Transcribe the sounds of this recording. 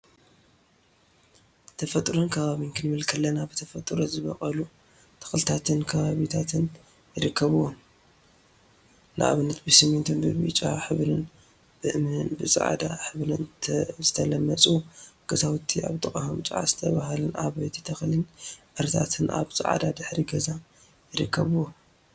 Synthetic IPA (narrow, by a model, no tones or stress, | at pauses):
t̪ʰɐfɐt̪ʼɾonkʰɐβaβinkʰɨnmɨlkʰɐlːɐnaβɨt̪ʰɐfɐt̪ʼɾozɨβɐχʼɐlu | t̪ʰɨ̥xlɨt̪ʰat̪ʰɨnkʰɐβaβit̪ʰat̪ʰɨn | jɪɾɨkʰːɐβɨwon | na̰ʔa̰βɨnːɐt̪̚bɨsɨment̪ʰɨnbɨβɨ̰t͡ʃʼaħɨβɨn | b̥ɨʔɨmɨnɨnbɨsʼɨ̰ʕa̰d̪aħɨβlɨnʰzɨt̪ʰɐlɐmːɐt͡sʼuɡ̥ɐzawut̪ʰːia̰βt̪ʼɨχʼahomt͡ʃʼʕa̰z̥ɨt̪ʰɐβahalɨnʔa̰βet̪ʰi̥t̪ʰɐxlɨnʔɨɾt̪ʰa̰t̪ʰɨnʔa̰βsʼɨʕa̰d̪ad̪ɨħɾiɡɐza | jɪɾɨkʰːɐβɨwom